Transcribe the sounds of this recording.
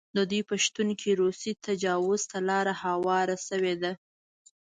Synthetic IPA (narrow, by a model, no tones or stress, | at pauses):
d̪əd̪ujpəʃt̪unkʰiɾosit̪ʰad͡ʒɑwʊz̥t̪alɑɾahawɑɾasəwed̪a